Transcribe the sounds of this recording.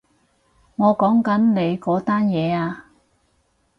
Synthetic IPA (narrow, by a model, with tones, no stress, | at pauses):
ŋɔː˨˧kɔː˨˥ŋkɐ˨˥nne˨˧jkɔː˨˥t̪aː˥njɛː˨˧aː˧